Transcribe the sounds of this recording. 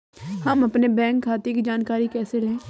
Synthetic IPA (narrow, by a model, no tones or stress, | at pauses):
həməpneːbɛ̃ːŋkʰːaːt̪ek̬id͡ʒaːnkaːɾiːkɛːseːlẽː